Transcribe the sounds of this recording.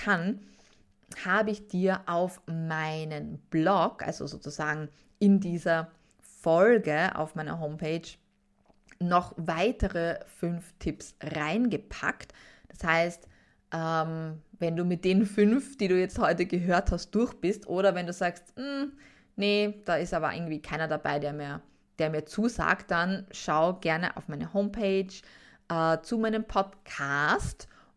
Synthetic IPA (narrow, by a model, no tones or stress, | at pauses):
kʰan | haːbəɪçd̥iːɐʔaʊfmaɪnənb̥lɔɡʔa̰lzo̰zo̰ːt͡suzaːɡŋ̩ | ɪndiːzɐ | fɔlɡəʔa̰ʊfmaɪnɐ̰ɦoːmpʰeːt͡ʃ | nɔχvaɪtəʁəfʏnftʰɪpsʁaɪnɡəpʰa̰ktd̥ashaɪst | ʔɛmvɛnduːmɪt̚d̥eːnənfʏnfd̥iːduːjɛt͡sthɔʏtəɡəɦøːɐthast̚d̥ʊɐçb̥ɪstʔoːɾɐvɛnduːzaːkstm̩ | nəd̥aːɪstʔaːbɐ̰ʔɪ̰ɐɡŋ̩tv̥iːkʰaɪnɐdaba̰ɪdeːɐmiːɐ | d̥eːɐmiːɐt͡suːza̰ːkt̚d̥anʃaʊɡɛɐnə̰ʔa̰ʊfmaɪnəhoːmpʰeɪt͡ʃʔɛːt͡sumaɪnəmpʰɔtkʰaːst